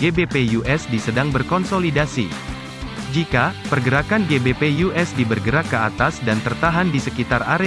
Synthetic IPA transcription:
ɡebepejuʔɛsdisədaŋbərkɔnsolidasḭ | d͡ʒikapərɡəɾakanɡebepejuʔɛsdibərɡəɾakːəa̰t̪asdant̪ərt̪aɦandisəkit̪araɾe

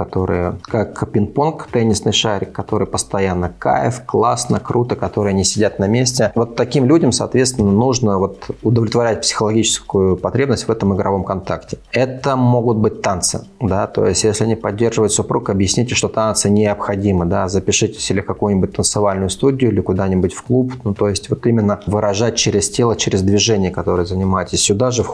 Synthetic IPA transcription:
kɐt̪o̞ɾɨ̰jəkakpʲɪnponkt̪ɛnʲːɪsnɨjʂaɾʲɪkːɐt̪o̞ɾɨjpəst̪ɐjanːəka̰jɪ̰fklˠasnəkɾʔut̪əkɐt̪o̞ɾɨjənʲɪsʲɪdʲat̪nɐmʲesʲtʲɪvo̞t̪ːɐkʲimlʲudʲəmsɐ̰ːt̪vʲet̪st̪vʲɪnːənuʐnəvo̞t̪ʊd̪əvlʲɪt̪vɐɾʲæt̚ʲpsʲɪ̥xəlˠɐɡʲit͡ɕɪ̥skʊjʊpɐt̪ɾʲebnəsʲtʲvɛt̪əmɨɡɾɐvo̞mkɐnt̪aktʲɪɛt̪əmo̞ɡʊt̪̚bɨt̚ʲt̪ant̪sɨ̰d̪at̪o̞̰jɪsʲtʲjesʲlʲɪɐnʲɪpɐdʲːe̞rʐɨvət̪ʲsʊpɾukɐbjɪsʲnʲitʲɪʂt̪o̞t̪ant̪sɨnʲɪɐpxɐdʲimɨd̪azəpʲɪʂɨtʲɪ̥sʲilʲɪkɐkujʊnʲɪbʊt̚ʲt̪ənt̪sɨvalʲnʊjʊst̪udʲɪjʊɪlʲɪkʊd̪anʲɪbʊtʲfklˠupnut̪o̞jɪsʲtʲvo̞t̪imʲɪnːəvɨɾʔɐʐat̚ʲt͡ɕeɾʲɪsʲtʲelˠət͡ɕeɾʲɪzd̪vʲɪʐɛnʲɪjəkɐt̪o̞ɾɨjəzənʲɪmajɪtʲɪsʲːʊd̪aʐɨf

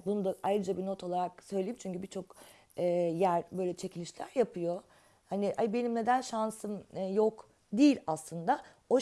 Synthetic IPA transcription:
bunud̪aʔajɾɯd͡ʒabino̞t̪ʰo̞lˠaɾaksø̞jlʲejimt͡ʃʰyɲcybit͡ʃʰo̞k | ɛːjæɾbø̞jlʲɛt͡ʃʰe̞cʰilʲiʃlʲæ̰ɾjapʰɯjo̞ | hanɪhaibe̞nimne̞d̪ænʃansɯmjo̞k | d̪iːlʲaslˠɯnd̪a | o̞

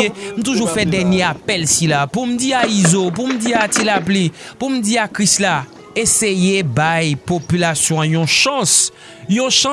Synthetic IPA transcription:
em̩t̪uʒufɛd̪ɛnjeapɛlsilapum̩diaizop̬um̩diat̪ilaplipum̩d̪iakʁisla | esejebajpopylasjɔ̃ãjɔ̃ʃɑ̃s | jõʃɑ̃

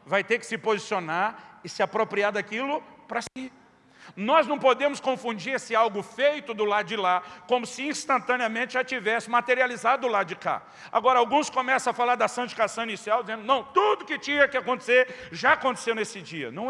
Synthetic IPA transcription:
vajt̪eɾkɪ̥sɪpozisionaɾɪsɪapɾopɾiaɾd̪akilʊpɾɐsi | nɔznɐ̃w̃pod̪ẽmʊskõfũd͡ʒiɾesɪawɡʊfejt̪ʊd̪ʊlad͡ʒɪlakõmʊsɪĩst̪ɐ̃nt̪ɐ̃niɐmẽnt͡ʃ̪ɪʒat͡ʃivɛsɪmat̪eɾializad̪ʊlad̪ʊd͡ʒɪka̰ | a̰ɡɔɾɐawɡũskomɛsɐ̃ɐfalaɾd̪ɐsɐ̃nt͡ʃɪkasɐ̃nɪsɛwd͡ʒɪzẽnd̪ʊnɐ̃w̃t̪ud̪ʊkɪt͡ʃĩɲɐkɪakõnt̪e̥seɾʒaakõnt̪e̥sewnesɪd͡ʒiɐ̰nɐ̃w̃

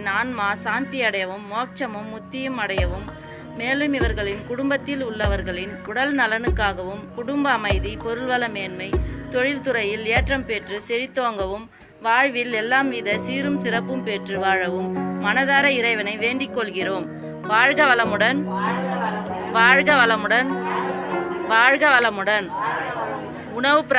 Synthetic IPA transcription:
naːnmaːsaːnt̪ɪjɐɽɐjɐʋɯmːoːk̚t͡ʃɐmɯmːʊt̪ːɪjɯmɐɽɐjɐʋɯmː | eːlɯmɪʋɐɾɣɐɭɪnkʊɽʊmbɐt̪ːɪlʊɭːɐʋɐɾɣɐɭɪnʊɽɐlnɐlɐnɯkːaːɣɐʋɯmkʊɽʊmbɐːmɐɪðipɔɾɯɭʋɐlɐmeːnmɐɪt̪ɔɻɪlt̪ʊɾɐjɪleːʈrɐmpɛʈrɯsɛɻɪt̪ːoːŋɡɐʋɯm | ʋaːɻʋɪlɛlːaːmʋiːðɐsiːɾɯmsɪrɐpːɯmpɛʈrɯʋaːɻɐʋɯmːɐnɐðaːɾɐɪɾɐɪʋɐnɐɪʋeːɳɖɪkːɔɭɣɪroːm | ʋaːɻɣɐʋɐlɐmɯɽɐn | ʋaːɻɣɐʋɐlɐmɯɽɐn | ʋaːɻɣɐʋɐlɐmɯɽɐn | ʊɳɐʋɯp

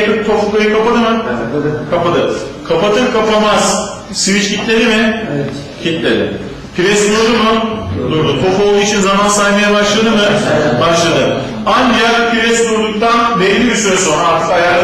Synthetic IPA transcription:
tʰɯk̚t̪ʰo̞pukajɯkʰapad̪ɯmɯ | kʰapad̪ɯ | kʰapat̪ʰɯmkʰapamaz̥ | svit͡ʃcʰit̪lʲeɾimɪ | cʰit̪lʲeɾɪ̰ | pʰiɾɛsd̪uɾd̪umʊd̪uɾd̪ut̪ʰo̞po̞lˠd̪uːit͡ʃʰinzamansajmajabaʃlˠad̪ɯmɯbaʃlˠad̪ɯ | andiaɾpʰiɾɛsd̪uɾd̪uk̚t̪ʰanbɛlʲːibiɾsøzso̞naaɾt̪ʰɯkajaɾ

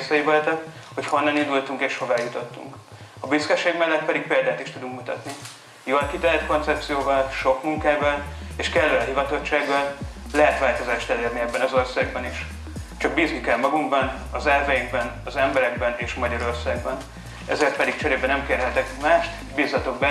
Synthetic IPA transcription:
sɒjivolt̪ɛk | ho̞cho̞nːɒnind̪ult̪uŋkeːʃho̞vaːjut̪o̞t̪ːṵŋk | ɒbiskɛʃːeːɡmɛlːɛt̪̚pɛd̪ik̚peːld̪aːt̪iʃt̪ud̪uŋkmut̪ɒt̪ni | jolkit̪ɛlɛt̪ko̞nt̪sɛp̚t̪sijoːvɒlʃo̞kmuŋkaːvɒleːʃkɛlːɛlɒɦivɒt̪o̞t͡ʃːaːɡːɒl | lɛɦɛt̪ʋaːlt̪o̞zaːʃt̪ɛleːrniɛbːɛnɒzo̞rsaːɡ̚bɒniʃ | t͡ʃɒk̚biːznikɛlmɒɡuŋɡbɒn | ɒzɛrvɛjiɡ̚bɛnɒzɛmbɛɾɛɡ̚bɛneːʃmɒɟɒɾo̞rsaːɡ̚bɒn | ɛ̰zeːrt̪̚pɛd̪ik̚t͡ʃɛɾeːbɛnɛmkeːrɦɛt̪ɛkmaːʃt̪ | biːzɒt̪o̞ɡ̚bɛ

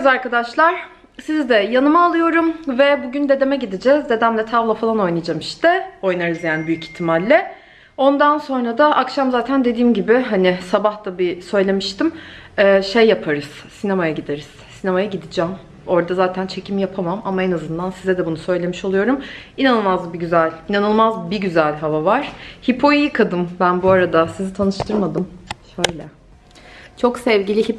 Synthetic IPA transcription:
zaɾkad̪aʃlˠaɾ̥ | sizd̪ɛjanɯmaːlˠɯjo̞ɾumvɛbuɟynd̪e̞d̪e̞mɛɟid̪id͡ʒɛzd̪e̞d̪æmlʲɛt̪ʰavlˠafalˠano̞jnijd͡ʒamiʃt̪ɪo̞jnaɾɯzjanbyjyci̥çt̪ʰimalʲːɛ | o̞nd̪anso̞nɾad̪aʔakʃamzaːt̪ʰænd̪e̞d̪iːmɟibɪɦanɪsabaht̪abisø̞jlʲe̞miʃt̪ʰimː | ʃejːapʰaɾɯz̥ | sinamajaɟid̪e̞ɾiz̥sinamajaɟid̪id͡ʒɛːm | o̞ɾd̪azaːt̪ʰænt͡ʃʰe̞cʰimjapʰamamamaenazɯnd̪ansizɛd̪ɛbunusø̞jlʲe̞miʃo̞lˠɯjo̞ɾuminanɯlˠmazbiɟyzælʲinanɯlˠmazbiɟyzælʲɦavavaɾ̥hipʰo̞jiːkʰad̪ɯmbænbuaɾad̪asizit̪ʰanɯʃt̪ʰɯɾmad̪ɯmʃøjlʲɛ | t͡ʃʰo̞ksɛvɟilʲihip

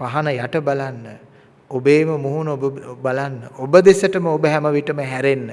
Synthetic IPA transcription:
paɦanɐjaʈəbalanːə | obeːməmuɦunobəbalanːəʔobəd̪esəʈəməobəɦæməʋiʈəməɦæɾenːə

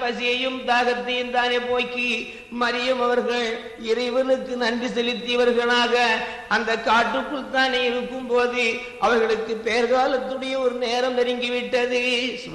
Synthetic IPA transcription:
pɐsɪjɐjɯmd̪aːɣɐt̪ːɐjɯmt̪aːneːpoːjkːi | mɐɾɪjɐmɐʋɐɾɣɐɭ | ɪɾɐɪʋɐnɯkːɯnɐnrisɛlɪt̪ːɪjɐʋɐɾɣɐɭaːɣɐ | ʔɐnd̪ɐkːaːʈːɯkːɯɭt̪aːneːɪɾɯkːɯmpoːðɯ | ʔɐʋɐɾɣɐɭɯkːɯpejɐɾɣaːlɐt̪ːɯɽɐjɐɔɾɯneːɾɐmt̪ɛɾɪŋɡɪʋɪʈːɐðɯ

